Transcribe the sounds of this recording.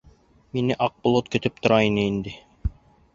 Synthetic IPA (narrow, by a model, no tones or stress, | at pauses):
minɘʔɑq̚bŏlˠot̪kɵ̆t̪ɘp̚t̪ŏɾɑinɘind̪ɘ